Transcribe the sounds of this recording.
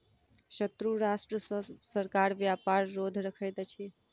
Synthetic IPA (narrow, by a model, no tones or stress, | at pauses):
ʃət̪ɾuɾasʈɾəsəɾkaɾʋjapaɾːod̪ʱɾəkʰəjt̪t͡ʃʰi